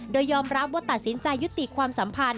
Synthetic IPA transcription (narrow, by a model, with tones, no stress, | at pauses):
doː˧jːɔː˧mɾa˦˥p̚waː˧˥˩t̪a˨˩t̪̚si˩˦nt͡ɕa˧jːu˦˥t̪ːi˨˩kʰwaː˧msa˩˦mpʰa˧n